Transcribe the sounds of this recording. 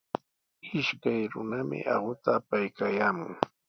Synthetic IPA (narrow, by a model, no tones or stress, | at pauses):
ɪʃkajɾʊ̰namɪ̰ʔɑ̰ɢʊt̪aːpajkajaːmʊŋ